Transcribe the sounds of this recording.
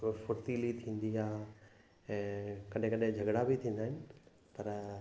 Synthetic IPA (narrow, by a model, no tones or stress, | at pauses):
fʊɾt̪ilit̪ʰĩːn̆d̪iaː | ɛ̃ːkɐɗ̤ẽkɐɗẽd͡ʑʱɐɡɽabɪt̪ʰĩːn̆d̪aːɦɪnɪ̆ | pɐɾ